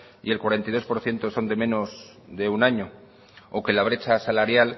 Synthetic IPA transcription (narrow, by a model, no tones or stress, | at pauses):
ḭe̞lkwaɾe̞nt̪aijðo̞spo̞ɾθje̞nt̪o̞so̞nd̪e̞mẽ̞no̞z | ðeunaɲo̞ | oke̞laβ̞ɾe̞t͡ʃasalaɾjal